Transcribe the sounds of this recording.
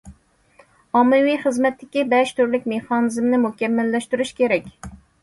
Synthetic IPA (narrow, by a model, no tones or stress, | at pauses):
ɑmːɨwijχəzmɛt̪ːɪkʲibɛʃt̪uɾlɪkʲmeχɑnɨzmnɪmuhkʲɛmːælːɛʃt̪yɾyʃkʲeɾɛkʲ